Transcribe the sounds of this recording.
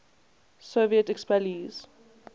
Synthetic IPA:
soviətɛkspɛliz̥

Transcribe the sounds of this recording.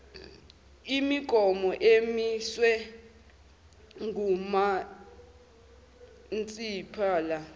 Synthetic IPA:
imiɡ̥ʱɔmɔʔemiswɛ | ŋɡʱuma | nt͡sʼiːpʰaːla

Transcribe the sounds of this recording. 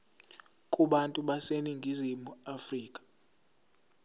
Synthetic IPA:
kʼuɓantʼuɓaseniŋɡʱizimuafriːkʼḁ

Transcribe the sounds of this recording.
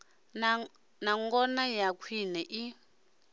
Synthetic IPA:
naŋɡɔnajakʰwinɛʔi

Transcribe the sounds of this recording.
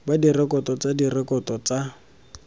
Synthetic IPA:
badirɛkʼɔtɔt͡sadirɛkɔtɔt͡sa

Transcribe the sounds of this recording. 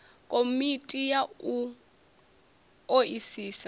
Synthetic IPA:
kʼomitʼijau | oisiːsa

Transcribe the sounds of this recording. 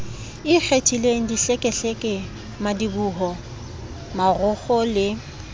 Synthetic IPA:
ɪk͡xʰetʰʼileŋ̩diɬɛkʼɛɬɛkʼɪ | madibuːɦɔ | marʊχɔlɪ

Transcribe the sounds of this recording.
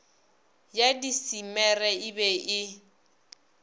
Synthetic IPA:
jadisimɛrɛɪbɛʔɪ

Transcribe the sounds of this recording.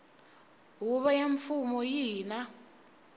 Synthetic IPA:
ɦuβajaɱfumɔjiːna

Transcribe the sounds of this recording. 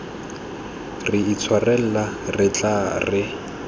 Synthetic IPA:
rɪit͡sʰwarɛl̩larɪt͡ɬʼarɪ

